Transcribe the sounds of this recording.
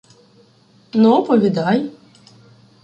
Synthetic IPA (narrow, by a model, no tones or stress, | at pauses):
nɔpɔvʲid̪aj